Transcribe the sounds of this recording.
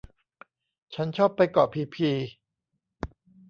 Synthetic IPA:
t͡ɕʰa˦˥nt͡ɕʰɔː˥˩pːa˧jkɔː˨˩pʰiː˧pʰiː˧

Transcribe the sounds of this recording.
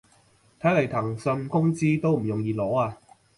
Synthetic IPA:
t̪ʰɐ˨˥jlɐ˨˩jt̪ʰɐ˨˩ŋsɵ˧nkʊ˥ŋt͡siː˥t̪o˥wm̩˨˩jʊ˨˩ŋjiː˧lɔː˨˥aː˧

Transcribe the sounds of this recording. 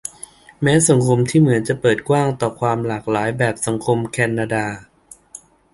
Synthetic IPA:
mɛː˦˥sa˩˦ŋkʰo˧mt̪ʰiː˥˩mɯ˩˦ənt͡ɕa˨˩pɤː˨˩t̪̚kwaː˥˩ŋt̪ɔː˨˩kʰwaː˧mlaː˨˩k̚laː˩˦jbɛː˨˩p̚sa˩˦ŋkʰo˧mkʰɛː˧nːaː˧daː˧

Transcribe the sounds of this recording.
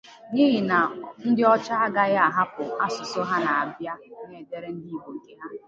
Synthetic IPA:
ni˦ɦɪ˨na˨n̩˦dɪ˦ɔ˦t͡ʃa˦a˦ɡa˦ɣja˦a˨ɦa˦pʊ˨a˦sʊ˨so˦ɦa˦na˨a˨bja˦ŋe˦˨de˦ɾe˦n̩˦di˦i˦ɦo˨ŋ̩˨ke˦ɦa˦

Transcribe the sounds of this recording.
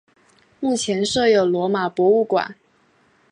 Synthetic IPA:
mu˥˩t͡ɕʰjɛ˧˥nʂɤ˥˩jo˨˩ʊlwɔ˧˥ma˨˩pwɔ˧˥u˥˩kwa̰˨˩˦n

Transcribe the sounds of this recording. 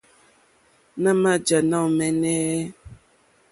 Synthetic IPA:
nã˦ma˦d͡ʒa˨na˦wmɛ˨nɛ˦

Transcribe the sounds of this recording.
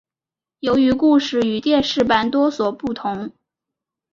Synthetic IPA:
jo˧˥ʊy˧˥ku˥˧ʂɻ̩˥˩y˨˩t̪jɛ˥˧nʂɻ̩˥˩pa˥nt̪wɔ˥swɔ˨˩pu˥˩t̪ʰʊ˧˥ŋ

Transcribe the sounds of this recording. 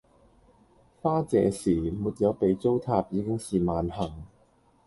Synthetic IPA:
faː˥t͡sɛː˨˧siː˨˩muː˨˧t̚jɐ˨˧wpe˨˧jt͡so˥wt̪ʰaː˧˥p̚jiː˨˧kɪ˥ŋsiː˨maː˨˧nhɐ˨˩ŋ

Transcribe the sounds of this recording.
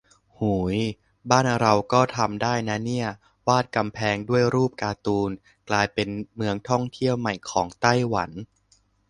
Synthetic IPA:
huː˩˦j | baː˥˩nɾa˧wkɔː˥˩t̪ʰa˧mdaː˥˩jna˦˥ni˥˩ɐ | waː˥˩t̪̚ka˧mpʰɛː˧ŋdu˥˩əjɾuː˥˩p̚kaː˧t̪uː˧n | klaː˧jpe˧nmɯ˧əŋt̪ʰɔ˥˩ŋt̪ʰi˥˩əwma˨˩jkʰɔː˩˦ŋt̪a˥˩jwa˩˦n

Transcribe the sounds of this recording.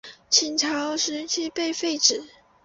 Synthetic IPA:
t͡ɕʰi˧˥nʈ͡ʂʰɑ˧˥ʊʂɻ̩˧˥t͡ɕʰi˥˧pe˥˧ɪfe˥˩ɪʈ͡ʂɻ̩˨˩˦

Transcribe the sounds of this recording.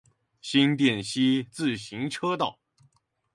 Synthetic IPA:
ɕi˥nt̪jɛ˥˩nɕi˥t͡sɹ̩˥˩ɕi˧˥ŋʈ͡ʂʰɤ˥t̪ɑ˥˩ʊ

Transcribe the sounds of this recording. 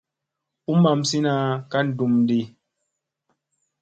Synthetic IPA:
u˦ma˨msi˦na˦ka˦n̩˦˨du˨mdi˨

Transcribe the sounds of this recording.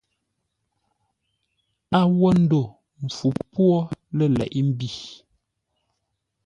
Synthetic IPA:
a˦wɔ˦n̩˦do˦˨ | m̩˨fu˨pwɔ˦lə˦˨lɛ̰˨ʔi˦m̩˦bi˨

